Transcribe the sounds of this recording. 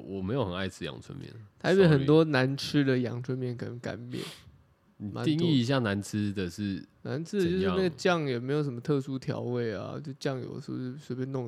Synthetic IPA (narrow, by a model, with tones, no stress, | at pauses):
wɔ˨˩me˧˥ɪjo˨˦xə˨˩na˥˧ɪt͡sʰɻ̩˥jɑ̰˨˩ŋt͡sʰwə̰˦nmjɛ̰˥˩˨nt̪ʰa˧˥ɪpjɛ˧˥xə˨˩nt̪̬wɔ˦na˧˦nʈ͡ʂ̩ʰ˦d̪ə˨jɑ̰˨˩ŋt͡sʰwə˧˥nmjɛ˥˩nkʰə˨˩nə˧˦ŋka̰˨˩pjɛ̰˨˩n˨ | ma̰˧˦n˥˧ŋi˥˨˧i˧ɕ̬ja˥˨na˧˦nt͡sʰɻ̩˥d̪ə˨ʂɻ̩˥˨na̰˧˦nt͡s̩̪ʰ˥ə˨˧t͡ɕjʊʂɻ̩˥˧na˥˩ɡə˩t͡ɕjɑ˥˨˩ŋjɛ˨˩me˧˥ɪjo˨˩ʊʂ̬ə˩mə˦t̪ʰɤ˥˧su˥t̪ʰjɑ̰˧˥ʊwe˥˩ɪa̰˨˩jo˥˧ʊʂ̩˧˩t͡ɕjɑ˥˨ŋjo̰˨˩də˦ʂɻ̩˧˥˧ɻ̩˥˩˥swe˧˥pjɛ˥nʊ˥˨ŋ